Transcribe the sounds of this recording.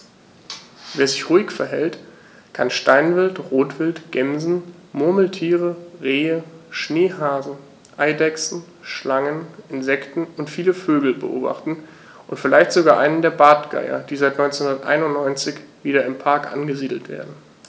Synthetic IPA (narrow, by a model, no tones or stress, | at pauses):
veːɐzɪçʁ̥uːɪçfɛɐɦɛlt | kʰanʃtaɪnvɪltʁoːtv̥ɪltɡ̥ɛmzn̩mʊɐml̩tʰiːʁəʁeːəʃneːɦaːzn̩ | ʔaɪdɛksn̩ | ʃlaŋənʔɪnzɛktn̩ʊntfiːləføːɡl̩bə̰ʔo̰ːba̰χtn̩ | ʔʊntfɪlaɪçtz̥oɡaːʔaɪnəndeːɐbaːtɡ̥a̰ɪɐ̰d̥iːzaɪtnɔʏnt͡snhʊndɐtʔa̰ɪnʊntnɔʏnt͡sɪçv̥iːɾɐɪmpʰaɐkʔa̰nɡəziːdl̩tv̥ḛːɐdn̩